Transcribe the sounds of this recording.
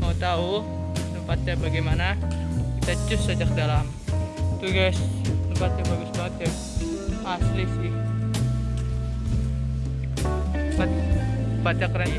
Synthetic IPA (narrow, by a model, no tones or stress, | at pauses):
maut̪au | dəmpat̪̚ɲabaɡajmanakit̪ad͡ʒʊsːad͡ʒak̚dalam | t̪uɡasdəmpat̪̚ɲabaɡasbaŋət̪̚kak | aslɪsɪh | bat̪̚pat͡ʃakɾa